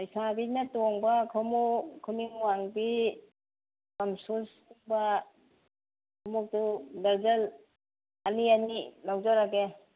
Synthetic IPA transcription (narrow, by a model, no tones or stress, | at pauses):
ajsabinatɔŋbakʰɯmukʰːɯniŋuwaŋbi | kamsustuŋba | kʰɔmuk̚tudazal | anianinawzaɾaɡe